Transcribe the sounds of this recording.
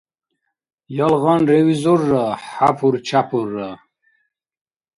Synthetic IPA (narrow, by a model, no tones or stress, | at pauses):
jalʁɑnɾewizoɾːaħapʰuɾt͡ɕʰapʰuɾːa